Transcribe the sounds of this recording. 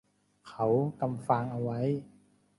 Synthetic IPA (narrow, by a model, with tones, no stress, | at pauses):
kʰa˦˥wka˧mfa˧ŋʔa˧wa˦˥j